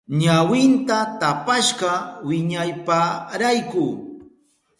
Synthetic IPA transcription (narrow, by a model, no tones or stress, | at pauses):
ɲawɪnt̪at̪apaʃɢɑwɪɲajpaɾajkʊː